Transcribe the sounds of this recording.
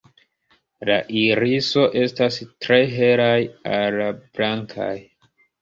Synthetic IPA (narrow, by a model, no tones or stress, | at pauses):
laʔiɾiso̞ʔe̞stastɾe̞ɦe̞ɾajalab̥laŋkʰa̰j